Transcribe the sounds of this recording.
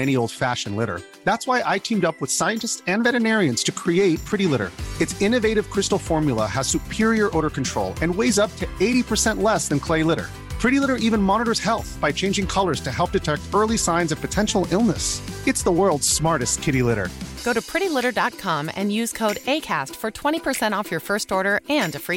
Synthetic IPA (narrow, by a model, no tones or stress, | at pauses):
ɛñioʊlˠd̥fæʃɨ̃n̩lɪɾə̰˞ | ðætswaɪʔaɪtʰĩmdʌpwəð̥saɪɨ̃ntɨstsɨ̃nvɛɾɨnɛɹiɨ̃nz̥tʰɨkʰɹ̥ieɪt̚pʰɹ̥ɪɾilɪɾə̰˞ɨtsɪ̃nɨveɪɾɨv̥kʰɹ̥ɪstl̩ˠfɔɹmjlˠə̰əz̥sʉpʰɪɹiə˞ʔoʊɾə˞kn̩tʰɹ̥oʊlˠɨ̃nweɪzʌp̚tʰɨeɪɾipʰə˞sɛ̃nʔlɛsðɨ̃nkʰl̥eɪlɪɾə̰˞ | pʰɹ̥ɪɾilɪɾə˞ʔivɨ̃nmɑnəɾə˞z̥hɛlˠθb̥aɪt͡ʃʰẽɪ̃nd͡ʒɪ̃ŋkʰʌlˠə˞z̥tʰɨɦɛlˠp̚d̥ɨtʰɛk̚tɜ˞lˠisãɪ̃nzʌv̥pʰɨtʰɛ̃nʃl̩ˠɪlˠnəsɨtsðəwɜ˞lˠdz̥smɑɹɾɨstkʰɪɾilɪɾə̰˞ɡ̥oʊɾɨpʰɹ̥ɪɾilɪɾə˞dɑt̚kʰɑ̃mɨ̰̃njʉz̥kʰoʊɾeɪkʰæ̰stfə˞tʰw̥ɛ̃ɾ̃ipʰə˞sɛ̃ɾ̃tɔfjə˞fɜ˞stɔɹɾə˞ɨ̃ndɨfɹi